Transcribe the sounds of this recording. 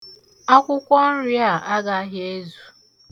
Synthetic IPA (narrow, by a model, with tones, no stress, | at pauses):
a˦kʷʊ˦kʷɔ˦n̩˦ɾa˦˨a˦ɡa˦ɦje˦zu˨